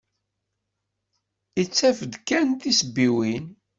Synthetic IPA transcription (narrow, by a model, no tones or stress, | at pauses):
it͡sːæfəd̪kænθisəbːiwin